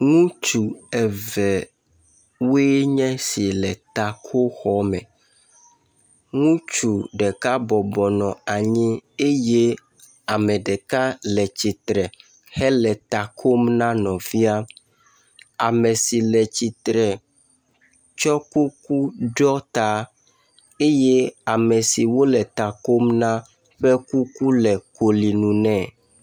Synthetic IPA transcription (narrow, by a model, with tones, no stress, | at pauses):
ŋũ˦t͡ʃu˨ɛ˨vɛ˨ | we˦ɲɛ̃˦si˨lɛ˨t̪a˨kʰo˦xɔ˦mɛ̰̃˨ | ŋũ˦t͡ʃu˨ɖɛ˨ka˦bɔ˨bɔ˨nɔ̃˨a˨ɲĩ˦e˦je˦ | a˨mɛ̃˨ɖɛ˨ka˦lɛ˨t͡ɕi˨t̪ɾɛ˨ | hɛ˦lɛ˨t̪a˨kʰo˦mnã˦nɔ̃˨vi˦a˦ | a˨mɛ˨si˨lɛ˨t͡ɕi˨t̪ɾɛ˨ | t͡ʃɔ˦ku˦ku˦ɖɔ˦t̪a˨ | e˦je˦a˨mɛ˨si˨wo˦lɛ˨t̪a˨ko˦mnã˦ | ɸɛ˦ku˦ku˦lɛ˨ko˨li˨nũ˨nɛ̃˨